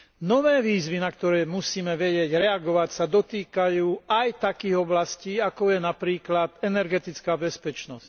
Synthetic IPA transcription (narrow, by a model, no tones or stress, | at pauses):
nɔʋɛːʋiːzʋinak̚t̪ɔɾɛːmusiːmɛʋɛɟɪɛɟɾɛaɡɔʋacsad̪ɔt̪iːkajuːajt̪akiːɣɔblasciːakɔjɛnapɾiːklad̪ɛnɛɾɡɛt̪it͡skaːbɛspɛt͡ʃnɔsc